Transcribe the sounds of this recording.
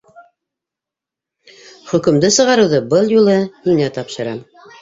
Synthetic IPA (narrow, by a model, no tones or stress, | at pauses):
χɵ̆kɵ̆md̪ɘsɤ̆ʁɑɾɤ̆wðɤbɤlˠjulˠɤninæt̪ɑpʃɤ̆ɾɑm